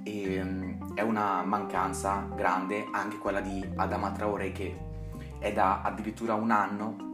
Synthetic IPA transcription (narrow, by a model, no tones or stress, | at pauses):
e | ɛunamaŋkant̪saɡɾand̪eaŋk̟ekwelːad̪iad̪amat̪ɾaoːɾeke | ɛd̪a̰ːd̪ːiɾit̪ːuːɾaunanːo